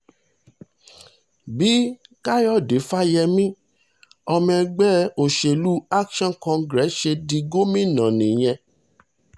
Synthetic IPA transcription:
bi˨˦ka˦jɔ˦˨de˨˦fa˦jɛ˧mĩ˦ | ɔ˧mɛ̃˧ɡ͡bɛ˦o˨ʃe˧˨lu˦a˦kʃɔ̃˦n˨kɔ̃˧ɡɾɛ˨˦ʃe˧di˧ɡo˦mĩ˦˨nã˨nĩ˨j̃ɛ̃˧

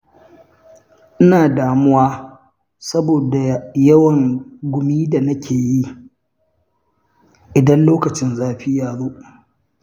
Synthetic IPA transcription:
ʔɪ˦naː˨daː˨mʊ˦waː˦ | sɐ˦boː˨da˨jɐ˦wɐ˨ŋɡʷʊ˨miː˦da˨nɐ˦kʲʰeː˨ji˦ | ʔɪ˨dɐ˦nloː˦kɐ˨t͡ʃɪ˦nzaː˦ɸɪ˦jaː˨ɽoː˦

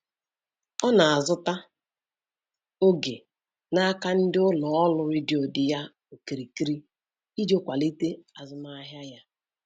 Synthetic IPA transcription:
ɔ˦na˨a˨zʊ˦ta˦ | o˦ɡe˨ | na˦ka˦n̩˦dɪ˦ʊ˦lɔ˨ɔ˦lʊ˦ɾɪ˦dɪ˨o˨dɪ˨ja˦ | o˨ki˨ɾi˨ki˦ɾi˦ | i˦d͡ʒo˦kʷa˨li˦te˦a˨zʊ˨ma˦ɦja˦ja˦

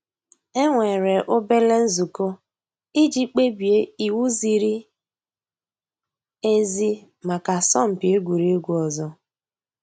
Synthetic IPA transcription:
e˦ŋʷe˨ɾe˨ʔo˦be˦le˦n̩˦zu˨ko˦ | i˦d͡ʒi˦k͡pe˦bi˨e˦i˨wu˦zi˨ɾi˦ | e˦zi˦ | ma˨ka˨sɔ˦m̩˨pi˨e˦ɡʷu˨ɾi˦e˦ɡʷu˦ɔ˨zɔ˦

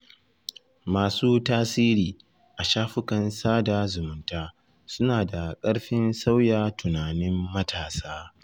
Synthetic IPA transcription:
maː˨suː˦taː˦siː˦ɾiː˨ | ʔa˨ʃaː˦ɸʊ˦kɐ˨nsaː˦da˨zʊ˨mʊ˨ntaː˦ | sʊ˦naː˨da˨kʼɐ˦ɽɸɪ˦nsa˦wjaː˨tʊ˨naː˨nɪ˦mːɐ˦tʰaː˨saː˦

